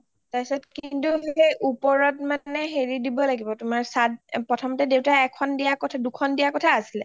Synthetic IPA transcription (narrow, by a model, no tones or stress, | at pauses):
tasɔtkintuɦejʔupɔɹɔtmanɛɦeɹidibɔlaɡibɔtʊmaɹsat̚pɹɔtʰɔmɔtɛdewtaɛkʰɔndijakɔtʰadukʰɔndijakɔtʰaːsilɛ